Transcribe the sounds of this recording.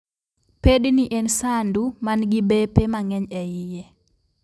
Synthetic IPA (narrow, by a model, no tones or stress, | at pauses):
pedniʔensandumanɡibepemaŋɛɲɛɪje